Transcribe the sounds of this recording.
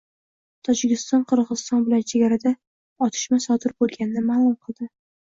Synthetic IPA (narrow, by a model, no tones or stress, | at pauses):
t̪ʰɒd͡ʒɪkʲɪst̪ɒnqʰɨɾʁɨzɨ̥st̪ɒnbɪlant͡ʃʰeɡʲaɾad̪a | ɒt̪ʰɪ̥ʃmasɒd̪ɪɾbolˠɡʲanɪnɪmaːlˠʊmqʰɨlˠd̪ɪ